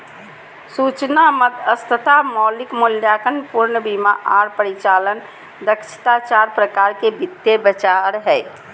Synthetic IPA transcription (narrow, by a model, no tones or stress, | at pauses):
sut͡ʃnaməd̪əst̪ʰət̪amɔlikmuljakənpuɾnəbimaʔaɾpəɾit͡ʃaːlən | d̪əkʃʰi̥t̪at͡ʃaɾpɾəkaɾkebʱit̪ːebət͡ʃaɾɦɛː